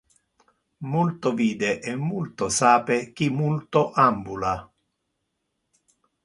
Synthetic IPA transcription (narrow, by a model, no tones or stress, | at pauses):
mult̪oviːd̪ɛʔɛmːult̪osaːpek̟imult̪oʔambula